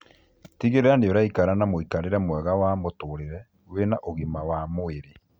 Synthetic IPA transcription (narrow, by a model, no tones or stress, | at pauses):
tiɣeɾeɾandejoɾaikaɾanamoikaɾeɾɛmwɛɣawamotoɾeɾɛ | wenaʔoɣemawamoeɾe